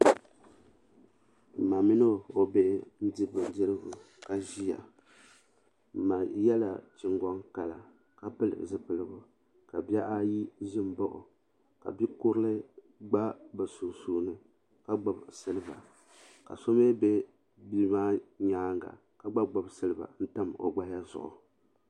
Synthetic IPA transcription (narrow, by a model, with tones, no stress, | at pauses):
m̩˨ma˨mi˦nɨ˦˨o˨be˦n̩˦di˦bɨ˨dɨ˦ɾɨ˦ɡʊ˨ | ka˨ʒi˦ja̰˨ | ma˨jɛ˦la̰˨t͡ʃi˨ŋɡɔ˦ŋka˨la˨ | ka˦pɨ˦lɨ̰˨zɨ˦pɨ˨lɨ˦bʊ˨ | ka˨ba˦ʔa˦ji˦ʒɪ˦m˨bɔ˦ʔʊ̰˨ | ka̰˨bi˦kʊ˦ɾɨ˦lɨ˦ | ɡ͡ba˦bɨ˨su˨nsuː˦nɨ˨ | ka˦ɡ͡bo˨bsɨ˦lɨ˦ba̰˨ | ka̰˨so˦me˦be˦ | bi˦maː˦ɲaː˦ŋɡa̰˨ | ka˦ɡ͡ba˦ɡ͡ba˨bsɨ˦lɨ˦ba̰˨n̩˦ta˦mo̰˨ɡ͡ba˦ja˦zʊ̰˨ʔʊ̰˨